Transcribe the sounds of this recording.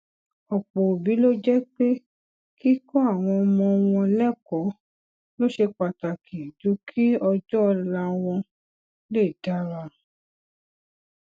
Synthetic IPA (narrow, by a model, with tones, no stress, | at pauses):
ɔ˨k͡po˨bi˨˦lo˦d͡ʒɛ˦k͡pe˦ | ki˦kɔ˦a˦˨w̃ɔ̃˧mɔ̃˧w̃ɔ̃˧lɛ˦˨kɔ˨˦ | lo˦ʃe˧k͡pa˨ta˨kʰi˨d͡ʒu˨˦kʰi˦ɔ˧d͡ʒɔ˦˧la˧w̃ɔ̃˧ | le˦˨da˦ɾa˧